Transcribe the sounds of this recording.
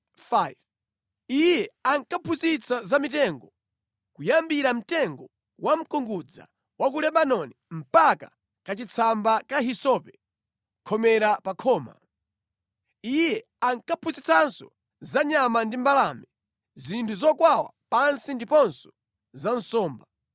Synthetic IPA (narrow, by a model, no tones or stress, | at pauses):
fajv | ijɛaŋkapʰuzit͡sʰazamitɛŋɡɔ | kujambiɾam̩tɛŋɡɔ | wʔam̩kɔŋɡud͡za̰ | wak̬ulɛɓanɔnim̩paka̰ | kat͡ʃit͡sʰambakaɦisɔpɛ | kʰɔmɛɾapakʰɔːma̰ | ijɛ | aŋkapʰuzit͡sʰansɔ̰ | zaɲamandimbalamɛ | zintʰuzɔkwawa̰pansindipɔnsɔ̥ | zan̩sɔːmba